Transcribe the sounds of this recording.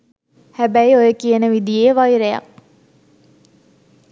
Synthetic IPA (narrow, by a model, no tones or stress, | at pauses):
hæbæjojəkiənəʋid̪ijeːʋɑjɾejɑ̰k̚